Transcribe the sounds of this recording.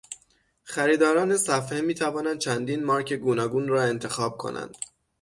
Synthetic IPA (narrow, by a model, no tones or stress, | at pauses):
xæɾiːd̪ɒːɾɒːne̞sæfhemiːt̪ʰævɒːnænd̪̚t͡ʃʰænd̪iːnmɒːɾcʰe̞ɡuːnɒːɡuːnrɒːe̞nt̪ʰe̞xɒːb̥̚kʰo̞̰nʔæ̰nd̪̥